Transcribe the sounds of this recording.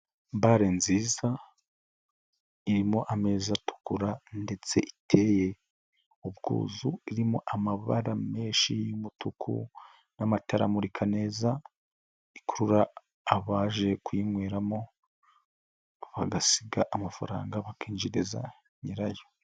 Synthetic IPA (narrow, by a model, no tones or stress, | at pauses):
baɾenziːza | iɾimoʔame̞ːzatu̥kuɾande̞t͡se̞̰ʔitʰe̞ːje | ubɡṵːzuiɾimoʔamaβa̰ɾame̞ːʃijumutʰukʰṵ | namataɾa̰muɾikʰane̞ːza | ikuɾuɾaː | βaːʒe̞kuiŋweːɾamo̞ | βaɡasiɡaʔamafa̰ɾa̰ːŋɡaβakiːnd͡ʒiɾeza̰ | ɲiɾajo̥